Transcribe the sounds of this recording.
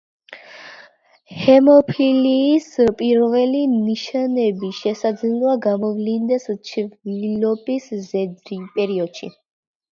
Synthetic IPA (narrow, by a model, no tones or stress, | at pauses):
hɛmɔpʰiliːspʼiɾvɛliniʃanɛbiʃɛsad̪zilˠaɡamɔvlind̪ɛst͡ʃʰvilɔbiszɛd̪ɾipʼɛɾiɔd̪̥ʃḭ